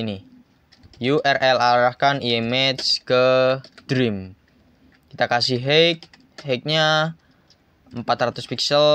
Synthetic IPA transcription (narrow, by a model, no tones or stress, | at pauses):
ini | juʔɛrʔɛlaɾahkanijemɛt̪skəd̪̥ɾim | kit̪akasiɦek̚ | ɦek̚ɲa | əmpat̪ɾat̪ʊspiksəl